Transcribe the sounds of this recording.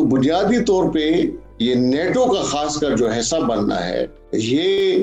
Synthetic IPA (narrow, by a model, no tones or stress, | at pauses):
obʊnijaːd̪it̪ɔːɾpe | jeneːʈokaxaːskaɾd͡ʒoːɦɛːsabɐnːa̰ɦɛ̰ː | jeː